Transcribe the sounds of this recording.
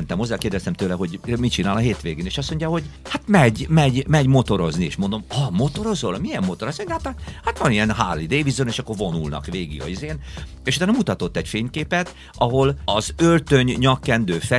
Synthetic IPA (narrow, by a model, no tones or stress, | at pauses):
nt̪ɛmo̞zːɛːlkeːrd̪ɛst̪ɛmt̪øːlɛɦho̞ɟmit͡ʃinaːlɒɦeːt̪ʋeːɡeːneːʃɒsmo̞ɲɟaho̞ɟhat̪mɛɟmɛɟmɛɟmo̞t̪o̞ɾo̞zniḛːʃmo̞nd̪o̞mɒmo̞t̪o̞ɾo̞zolmiɛmːo̞t̪oɾɒsohat̪ahat̪ʋɒniɛnɦaːlːid̪eːvizoneːʃɒkːo̞rvo̞nulnɒ̰kʋeːɡḭɡɒ̰izeːneʃut̪aːnɒmut̪ɒt̪o̞t̪ːɛɟfeːɲkeːpɛt̪ | ʔɒɦo̞lɒzørt̪øɲɲɒkːɛnd̪øːfɛ